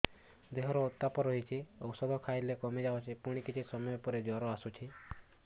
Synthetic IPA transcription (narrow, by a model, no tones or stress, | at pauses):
d̪eɦɔɾɔot̪ːapɔɾɔɦit͡ʃʰiɔwsɔd̪ɔkʰajlekɔmid͡ʒaot͡ʃʰipuɽ̃ikit͡ʃʰisɔmɔjɔpɔɾed͡ʒɔɾɔasut͡ʃʰi